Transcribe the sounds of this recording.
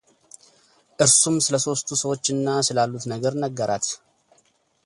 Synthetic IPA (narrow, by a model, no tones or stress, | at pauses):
ʔɨɾsumsɨləso̞st̪ʰusəwo̞t͡ʃːɨnːasɨlalːut̪nəɡəɾnəɡːəɾʔat̪